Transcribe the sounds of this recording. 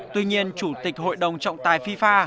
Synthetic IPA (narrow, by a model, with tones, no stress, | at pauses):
t̪wi˧ɲi˧ənt͡ɕu˧˩t̪ï˨˩k̟̚ɦo̰˧˨jɗə˨˩wŋ͡mt͡ɕɔ̰˧˨wŋ͡mt̪aː˨˩jfi˧faː˧